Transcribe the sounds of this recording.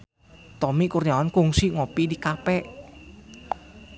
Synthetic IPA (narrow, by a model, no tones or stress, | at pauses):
t̪ɔmikurɲawankuŋsiŋɔpidikapɛʔ